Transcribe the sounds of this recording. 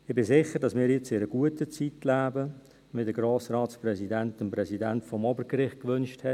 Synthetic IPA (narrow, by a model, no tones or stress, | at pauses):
ɪbɪzɪχədɑsmɪːɾiɪt͡sɪɾəɡ̥uətət͡sitlæːbə | mɪdəɡ̥roːsrɑːsprɛsidɛntəmprɛsidɛntfɔmɔbəɾɡɾɪχt̚kʋʏnʃthɛ